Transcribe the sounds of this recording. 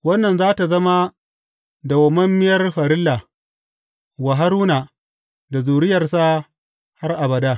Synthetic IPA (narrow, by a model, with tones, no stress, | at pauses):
wɐ˦nːɐ˨nzaː˦ta˨zɐ˦ma˦ | da˨wɐ˨mɐ˦mːɪ˦jɐ˦rɸɐ˨ɾɪ˦lːa˨ | wa˨ɦa˦ɾuː˦na˨ | da˨zuː˨ɽɪ˦jɐ˨rsa˦ | ha˦rʔa˨bɐ˨daː˦